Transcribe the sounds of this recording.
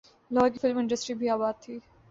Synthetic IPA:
lɔːkifɪlmɪ̃ɳɖəsʈɾibʱiaːbaːd̪̚t̪ʰiː

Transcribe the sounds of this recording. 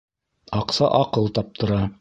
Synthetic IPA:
ɑqsɑʔɑqɤlˠt̪ɑp̚t̪ʰɤ̆ɾɑ

